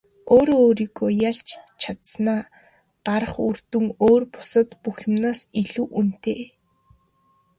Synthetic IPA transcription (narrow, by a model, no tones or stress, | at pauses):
oːɾoːɾiːɣoːjaɮt͡ɕt͡ɕʰat̪snaː | ɢ̥aɾə̆χurt̪ŭŋoːrpʊ̥sə̆t̪puxʲɪ̆mnaːsiɮuːʔun̥t̪eː